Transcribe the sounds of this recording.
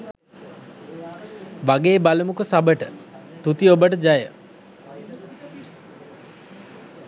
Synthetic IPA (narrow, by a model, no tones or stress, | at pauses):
ʋaɡeːbalumukusabəʈət̪ut̪iobəʈəd͡ʒajə